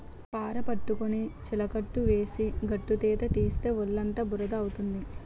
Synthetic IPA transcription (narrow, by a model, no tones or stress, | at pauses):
paːɾɐpɐʈːukonit͡ʃilɐkɐʈːuʋeːsiɡɐʈːut̪ɛːt̪ɐt̪iːst̪e̞ːʋɔɭːɐnt̪ɐbuɾɐd̪ɐːwut̪und̪i